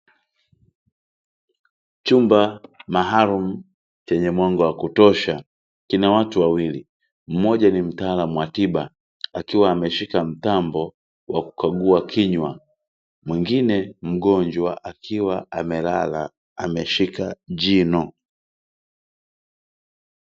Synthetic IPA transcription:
t͡ʃumbamaɦaɾum̩ | t͡ʃɛɲɛmwaŋɡɔwakutɔʃa | kinawatuwawili | m̩mɔʄanim̩taːlamuwatiba | akiwaːmɛʃikam̩t̪ambɔ | wʔa̰ku̥kaɡuakʰiɲwa | mwiŋɡinɛm̩ɡɔɲd͡ʒwaʔakʰiwaamɛlala̰ː | mɛʃikad͡ʒinɔ

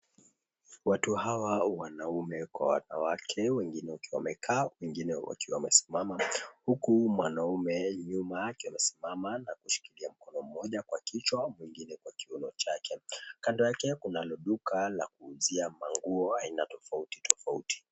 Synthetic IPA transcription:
watuhawawanaumɛkwa̰wa̰na̰wakʰɛwɛŋɡinɛwakiwamɛkʰaːwɛŋɡinɛwʔa̰kiwamɛsi̥mamahukumwanaumɛɲumaːkiwamɛsi̥mamanakuʃi̥kiliam̩kɔnɔm̩mɔʄakwakʰit͡ʃwamwiŋɡinɛkwakiunɔt͡ʃakʰɛkandɔjakɛkunalɔɗukala̰kuːziamaŋɡuɔainatɔfauti̥tʰɔfauti̥

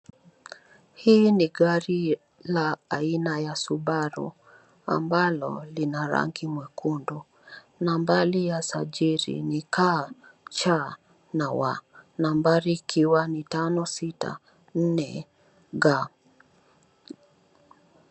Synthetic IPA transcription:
hiːniɡaɾi | laːinajasuɓaɾṵ | a̰mbalɔ̰linaɾa̰ŋɡimwɛkundu | nambalijasaʄiɾḭnikʰat͡ʃa | nawa̰nambaɾikʰiwanitanɔsita̰ | n̩nɛ̰ | ɡa

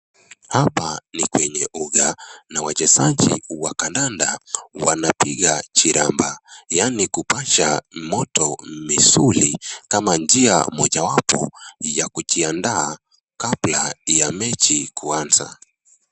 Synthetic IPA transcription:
hapanikwɛɲɛuɡanawat͡ʃɛsaʄḭwakandandawanapiɣat͡ʃiɾambajanikupaʃamɔtɔmisulikamand͡ʒia̰mɔʄawapɔ̰jakut͡ʃiandaː | kablajamɛt͡ʃikuanza̰

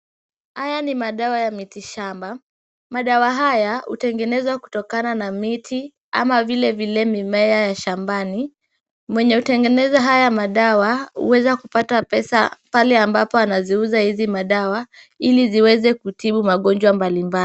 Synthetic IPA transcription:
hajanimaɗawajamitiʃamba | maɗawaɦajahṵtɛŋɡɛnɛzwaku̥tɔkananamitʰi | a̰mavilɛvilɛmimɛajaʃambani | mwɛɲɛhutɛŋɡɛnɛzaɦajamaɗawahṵwɛzakupatapɛsa̰palɛambapɔanaziuzahizimaɗawa | iliziwɛzɛkutiɓumaɠɔnd͡ʒwambalimbal

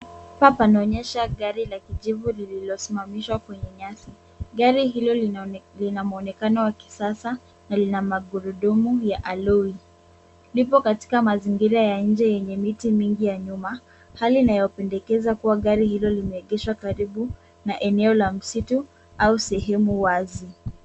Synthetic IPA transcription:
papanaɔɲɛʃaɠaɾilakiʄivulililɔsimamiʃwakwɛɲɛɲasi | ɡaɾiɦilɔlinamuɔnɛkanɔwaki̥sasa | nalinamaɡuɾuɗumujaʔalui | lipɔkati̥kamaziŋɡiɾajaɲ̩d͡ʒɛjɛɲɛmitimiŋɡijaɲuma | haliːnajɔpɛndɛkɛzakuwaɠaɾihilɔlimɛːɠɛʃwakaɾiɓu | naʔɛnɛɔlam̩situ | ausɛɦɛmuwazi

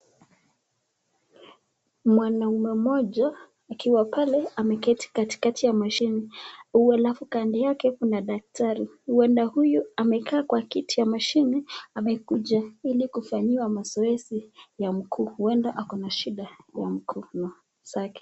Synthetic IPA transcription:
mwanaumɛmɔʄaː | kiwapalɛamɛkɛti̥kati̥katʰijamaʃiniualafukandijakɛkunaɗak̚tʰaɾi | huɛndahujuamɛkʰaːkwakitijamaʃiniamɛkuʄailikufaɲiwamazɔɛsijam̩kʰuːhuɛndaʔakɔnaʃiɗajam̩kʰuːnɔ | sakɛ̥

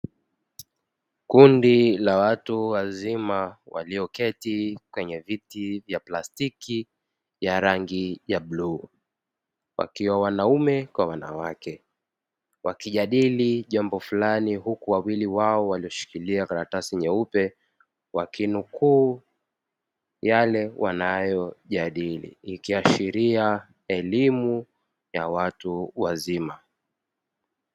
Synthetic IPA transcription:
kundilawatuwazimawa̰liɔkɛtikwɛɲɛvitivjaplastiki | jaɾaŋɡijaɓluː | wʔa̰kiwawanaumɛkwawana̰wakɛ | wakiʄaɗiliʄambɔfulaniɦukuwawiliwaɔwaliɔʃi̥kiliakaɾatasiɲɛupɛ | wakinukuː | jalɛwʔanajɔʄaɗilḭːkiaʃiɾia | ɛlimu | jawatuwazima

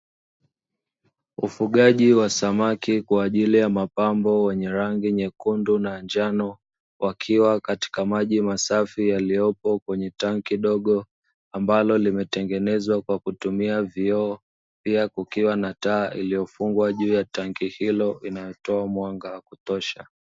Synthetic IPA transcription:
ufuɠaʄiwasamakikwaːʄilijamapambɔwɛɲɛɾaŋɡiɲɛkundunand͡ʒanɔ | wʔakʰiwakati̥kamaʄimasafijalijɔpɔkwɛɲɛtaŋkiɗɔɠɔ | ambalɔlimɛtɛŋɡɛnɛzwakwakutumiaviɔː | piakukiwanataːʔḭlijɔfuŋɡwaʄuːjataŋɡihilɔʔinajɔtɔamwaŋɡawakutɔʃa̰

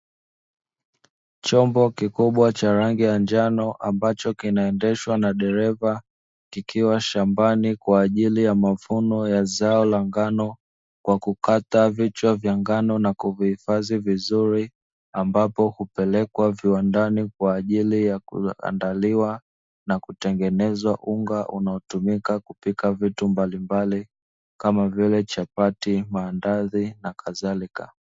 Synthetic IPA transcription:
t͡ʃɔmbɔkikuɓwat͡ʃaɾaŋɡijand͡ʒanɔʔambat͡ʃɔkinaɛndɛʃwanaɗɛɾɛva | kikʰiwaʃambanikwaːʄilijamavunɔjazaɔlaŋɡanɔ | kwʔakukatavit͡ʃwavjaŋɡanɔnakuvihifazivizuɾi | ambapɔhupɛlɛkwaviwandanikwaːʄilijakṵa̰ndaliwa | nakutɛŋɡɛnɛzwaʔuŋɡaʔunaɔtumikakupikavitumbalimbali | kamavilɛt͡ʃapatimaːndaðinakʰaðalika

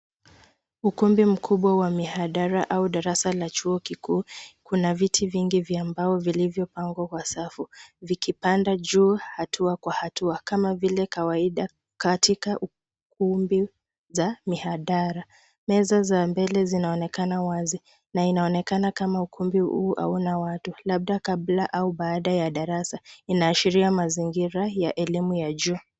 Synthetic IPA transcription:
ukumbim̩kʰuɓwawamihaɗaɾaʔauɗaɾasalat͡ʃuɔkikuːkunavitʰiviŋɡivjambaɔvilivjɔpaŋɡwakwasafuvikipandaʄuːhatʰuakwahatuakamavilɛkawaiɗa | katʰikaʔu | k̚umbi | zamihaɗaɾa | mɛzazambɛlɛzinaɔnɛkanawazi | nainaɔnɛkanakamaukʰumbiṵʔa̰unawatulab̚ɗakablaʔauɓaːɗajaɗaɾasainaːʃiɾiamaziŋɡiɾajaʔɛlimujaʄuː

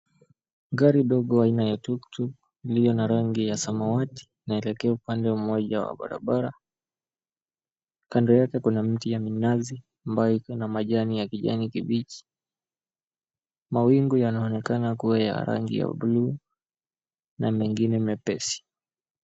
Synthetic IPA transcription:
ŋɡaɾiɗɔɠɔainajatuktʰuk | lijɔnaɾaŋɡijasamawati̥ | naɛlɛkɛaupandɛumɔʄawa̰ɓa̰ɾa̰ɓaɾa | kandɔjakɛkunam̩tijaminazi | ambajɔikɔnamaʄanijakiʄa̰nikiɓiki̥ | mawiŋɡujanaɔnɛkanakuaja̰ɾa̰ŋɡḭja̰ɓuluː | namɛŋɡinɛmɛpɛsi̥

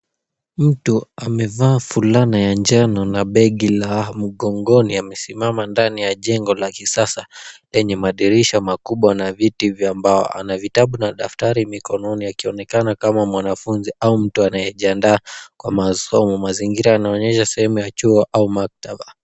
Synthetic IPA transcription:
m̩tuamɛvaːfulanajand͡ʒanɔnaɓɛɠilam̩ɠɔŋɡɔniamɛsimamandanijaʄɛŋɡɔlakisasalɛɲɛmaɗiɾiʃɔmakuɓwanavitivjambaɔ̰ʔa̰navitaɓunaɗaftaɾimikɔnɔniakiɔnɛkanakamamwanafunziaum̩tuanajɛʄiandaːkwamasɔmɔmaziŋɡiɾaːnaɔɲɛʃasɛhɛmujat͡ʃuɔʔaumak̚taɓa

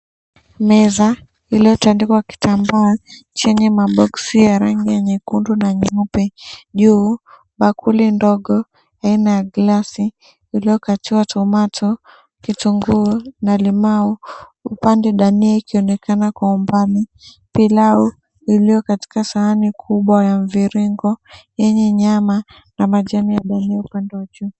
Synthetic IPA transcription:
mɛza | ilijɔtandikwaki̥tʰambaa | t͡ʃɛɲɛmaɓɔksijaɾaŋɡiɛɲɛkundunaɲiupɛʄuː | ɓakʰulindɔɠɔ | ainajaɡlasiː | lijɔkatiwatɔmatɔ | kituŋɡunalimauupandɛɗaniɛikʰiɔnɛkanakwaumbani | pilau | ilijɔkati̥kasaanikʰuɓwajaɱviɾiŋɡɔjɛɲɛɲama | namaʄanijaɗaniɛupandɛwaʄuː

